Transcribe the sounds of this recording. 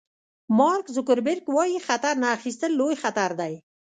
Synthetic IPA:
mɑɾkzʊkəɾbɪɾɡwɑjixat̪aɾnaːxist̪əlːojxat̪aɾd̪aj

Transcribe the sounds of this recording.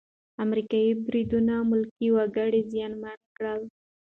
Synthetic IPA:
amɾikɑjibɾid̪unamʊlkiwaɡəɽizjɑnmankɽəl

